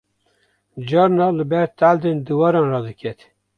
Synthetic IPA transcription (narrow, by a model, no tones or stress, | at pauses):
d͡ʒɑɾnɑlɨbɛɾt̪æld̪end̪ɨwɑɾɑnrɑd̪ɨkʲʰɛt̪